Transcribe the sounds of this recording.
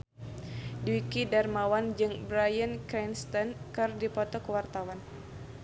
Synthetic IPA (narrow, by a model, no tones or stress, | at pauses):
dukidarmawand͡ʒɨŋbɾajənkanst̪ɔnkɨrdipɔt̪ɔkəwart̪awan